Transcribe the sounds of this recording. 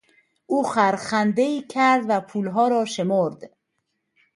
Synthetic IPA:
ʔuːxæɾxænd̪e̞iːkʰæɾd̪væpʰuːlɦɒːɾɒːʃe̞moɾd̪̥

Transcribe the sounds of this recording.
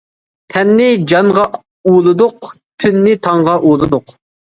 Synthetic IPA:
t̪ʰɛnːɪd͡ʒɑŋʁɑ | ulˠɨd̪ʊqt̪ʰynːɪt̪ʰɑŋʁɑʔulˠɨd̪ʊq

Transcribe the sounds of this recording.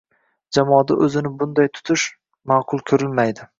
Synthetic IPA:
d͡ʒamɒːd̪aʔɵzɪnɪbʊnd̪ajt̪ʰʊ̥t̪ʰʊʃ | maːqʰʊlˠkʲʰɵɾɪlmajd̪ɪ

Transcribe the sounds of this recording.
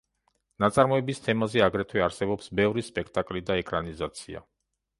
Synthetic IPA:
nat̪sʼaɾmɔɛbist̪ʰɛmazɛaɡɾɛt̪ʰwɛaɾsɛbɔpsbɛvɾispʼɛkʰt̪ʼakʼlid̪aɛkʼɾanizat̪sʰia̰

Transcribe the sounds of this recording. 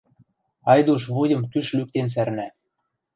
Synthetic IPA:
ɑjd̪uʃ̬βudʲɤ̆mt̪yʃlyk̚t̪ens̬æɾnæ

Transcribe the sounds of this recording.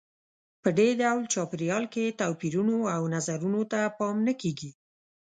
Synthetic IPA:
pəɖeɖawlt͡ʃɑpɾjɑlket̪apiɾunoawnazaɾunot̪apɑmnəkeɡi

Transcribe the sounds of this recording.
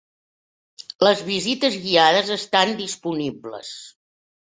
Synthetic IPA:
ləzβizit̪əzɣiaðəzəst̪and̪ispuniblə̰s

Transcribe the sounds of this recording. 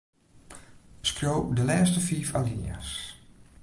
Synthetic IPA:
skrjowdəlɛːstəfiːfalia̰s

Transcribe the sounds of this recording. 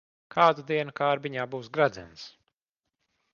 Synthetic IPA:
kʰaːd̪ud̪iɛnukaːɾbiɲaːbuːsɡɾad̪zɛ̰ns

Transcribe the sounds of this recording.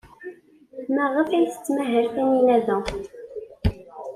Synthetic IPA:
mæʁəfæjθə̥t͡sːmæɦəɾθæninæðæ

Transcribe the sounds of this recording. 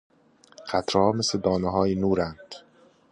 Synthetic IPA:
qæt̪ʰɾhɒːmesled̪ɒːneɦɒːjinuːɾænd̪̥

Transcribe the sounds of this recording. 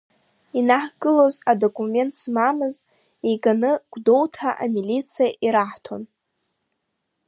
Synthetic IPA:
inaħɡɨlo̞zado̞kʼume̞ntʰsmamɨztʼ | ejɡanɨɡ̥ʷdo̞wtʰaʔa̰milit͡sʰijaʔiɾaħtʰo̞̰n

